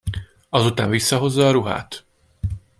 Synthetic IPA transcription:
ɒzut̪a̰ːɱvisːɒɦo̞zːɒːɾuɦa̰ːt̪

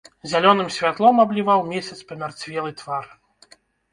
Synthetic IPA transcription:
zʲalʲɔnɨmsʲvʲat̪lˠɔmablʲivawmʲesʲɐt̪spɐmʲart͡sʲvʲɛlˠɨt̪var

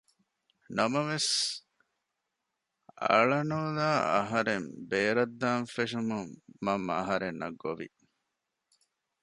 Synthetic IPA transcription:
nɐmɐʋes | ɐ̰ɭɐnoːlaːɐ̰ɦɐɾembeːɾɐd̪ːaːnfeʃumumːɐmːɐ̰ɦɐɾenːʔɐ̰ɡːoʋḭ

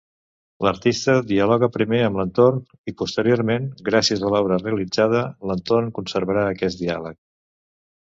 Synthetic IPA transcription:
ləɾt̪ist̪əðiəlɔɣ̞əpɾimeəmlənt̪orn | ipust̪əɾioɾmenɡɾasiəzðəlɔβɾəreəlid͡zað̞ələnt̪ornkunsəɾβəɾaəkɛsd̪ialək̚

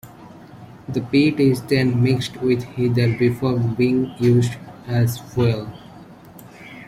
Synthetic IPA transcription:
d̪əpiːʈɪzdẽnmɪksʈwɪd̪hid̪əɾbɪfoːɾbiɪ̃ŋjuːzɖæzwɛl

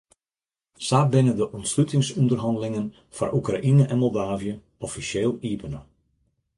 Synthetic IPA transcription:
saːbɪnədəʔɔntslytɪŋsɔndərɦɑndəlɪŋən | fa̰rʔukra̰ʔinəʔɛnmɔlˠdaːvjə | ɔfisjeːlˠiːbənə

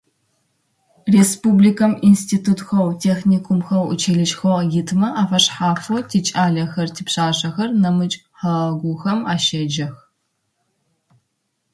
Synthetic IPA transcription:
respublikʰɐminstʰiːtʰuːtxɐwtʰeːxnikʷʰʊmxɐwṵt͡ʃʰeɮɨt͡ʃʼxojɪtʰmɐʔaːfɐɕħaːfotʰit͡ʃʼaːɮɐxɐrtʰiːpɕaːɕɐxɐrnɐmɨt͡ʃʼħɐɡʷʊxɐmaːʃed͡ʒɐx

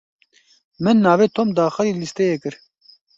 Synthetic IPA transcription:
mɨnːaːveːt̪ʰoːmd̪aːxɐɾiːlist̪eːjekɨɾ

